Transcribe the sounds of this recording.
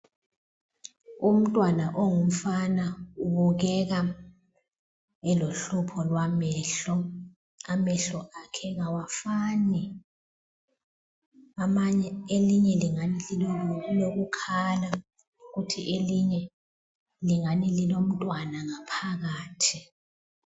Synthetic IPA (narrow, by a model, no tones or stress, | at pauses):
um̩tʼwanaʔoŋum̩fanauβuɣ̬ɛɣa | ɛloɬupʰɔlwamɛːɬɔ | amɛɬɔʔakʰɛŋawafani | amaɲɛeliɲɛliŋaniiloɣukʰala | ɣutʰiʔeliɲɛ | liŋanililom̩tʼwanaŋapʰaɣaːtʰi